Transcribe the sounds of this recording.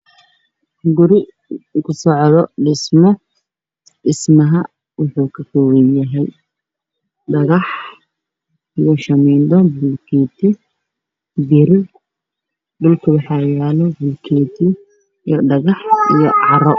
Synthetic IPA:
ɡʊɾɪ | kʰʊsɔʕðɔɖɪsmɔ | ɖɪsmɐɦɐ | wʊħuːkʰɐkʰɔwɛjɐɦɛj | ɖɐɣɑħ | ijɔʃɐmɛːnd̪ɔbʊlkʰiːt̪ʰɪ | bɪɾɪ | dʊlkʰʊwɑħɑːjaːlɔbʊlkʰiːt̪ʰɪ | jɔɖɐɣɑħijɔ̰ʕɑɾɔ

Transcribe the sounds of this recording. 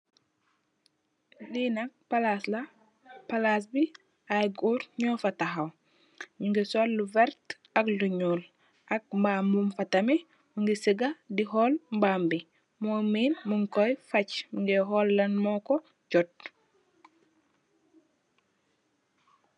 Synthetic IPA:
ɗinɐk̚palasla | palas̬bi | ajɡuːɾɲɔːfataxaw | miŋɡesɔlːuvɛɾt | ɐkluɲuːl | ʔɐk̚mbambumfɐtɐmɛ | muŋɡisəɡadiɦɔːlmbambi | mɔmiːlmuŋkɔjfɐcmiŋɡɛɦɔlːɐnmɔkɔ | d͡ʒɔt̚

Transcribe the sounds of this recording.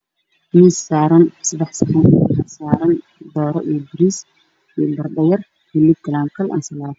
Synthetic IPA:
miːsːaːɾɐnsɐd̪ɛħsɐħɐnħɐsaːɾɐn | d̪ɔːɾɔʔijɞbɪɾiːs | ijɞbɐrɖɐjɐr | hɪlːɪkʰɐlaːmkʰɐlʔɐ̰ːnsɐlaːð

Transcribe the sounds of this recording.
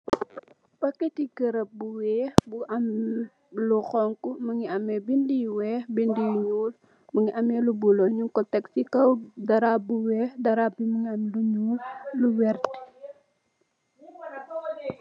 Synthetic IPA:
pɐkːetikəɾɐp̚buwɛːhbuʔam | luxɔŋkuməŋiɐmɛbindijwɛːhbindijuɲuːl | məŋiʔɐmɛlubulɔɲuŋkɔtɛksikɐwdɐɾabuwɛxdɐɾabiməŋiɐmluɲuːlluwɛrt

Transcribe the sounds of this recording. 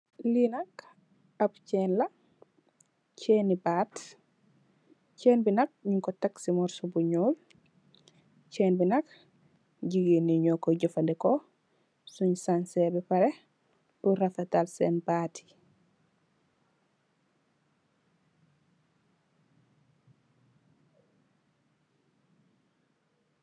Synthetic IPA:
linak | apcɛːnla | t͡ʃeːnibat | cɛːnbinak̚ɲuŋkɔtaksimɔɾsubuɲuːl | t͡ʃɛːnbinak | ɟiɡiniɲɔkɔɟɔfandɛkɔ | suɲsansɛbɛpaɾɛ | buɾafatalsɛnbatʰi̥

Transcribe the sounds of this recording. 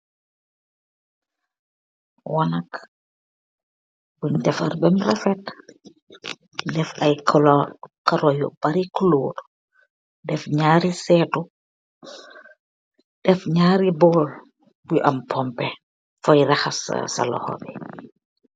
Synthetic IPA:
wanak | buɲdɛfa̰ɾbɛmrafɛt | dɛfajkʰɔlɔkaɾɔjo̰b̥aɾikuloːd | dɛfɲaɾisɛtu | d̥ɛfɲaːɾibɔl | buʔampʰɔmpɛ | fɔjɾaxassa̰lɔ̰hɔ̰bɛ

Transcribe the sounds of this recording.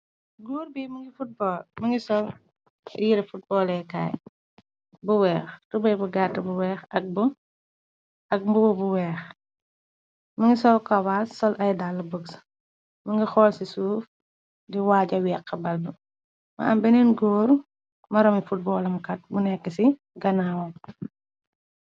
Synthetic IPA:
ɡuːɾbiːmɐŋɡifut̚bɔːlmɐŋɡisɔl | jiɾɐfut̚bɔːlɛka̰ːj | buwɛːxtubɐjbuɡatːɐbuwɛːxɐk̚bu | ɐk̚mbuwɐbuwɛːx | mɐŋɡisɔlkɐwasːɔlʔɐjdalːɐbəks | mɐŋɡixɔːlsisuːf | diwaːɟɐwɛːkːɐbɐlbu | mɐ̰ɐ̰mbɛnɛnɡɔːɾ | mɐɾɐmifut̚bɔːlɐmkɐt̚bunɛkːɐsi | ɡɐnaːwɐ

